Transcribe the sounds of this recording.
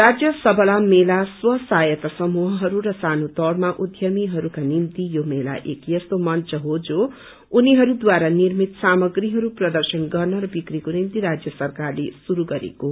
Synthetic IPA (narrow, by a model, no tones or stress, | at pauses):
rad͡zjʌsʌbʌlamelaswʌsajʌt̪ʌsʌmuɦʌɦʌɾurʌsanot̪ʌɽmaʔud̪ʱjʌmiɦʌɾukanimt̪ijomela̰ʔḛkjʌst̪omʌnt͡sʌɦod͡zo | uniɦʌɾud̪waɾanirmit̪samʌɡriɦʌɾuprʌd̪ʌrsʌnɡʌrnʌɾʌbikrikonimt̪iɾad͡zjʌsʌrkarlesuɾuɡʌɾḛko